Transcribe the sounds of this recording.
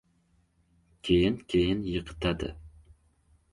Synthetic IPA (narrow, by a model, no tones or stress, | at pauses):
kʲʰejɪnkʲʰejɪnjəqʰɨ̥t̪ʰad̪ɨ̰